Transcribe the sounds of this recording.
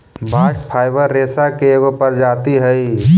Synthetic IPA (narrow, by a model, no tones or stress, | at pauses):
bʱaːʃpʰaːɪbəɾːeːsakeɡopəɾd͡ʒaːt̪iɦɛi